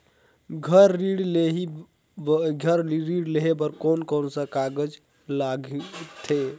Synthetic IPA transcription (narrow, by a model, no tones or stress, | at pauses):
ɡʱəɾːiɽleɦ | ɡʱəɾliɾiɽleɦebəɾkonkonsə̃kaɡəd͡ʒ | laɡt̪ʰe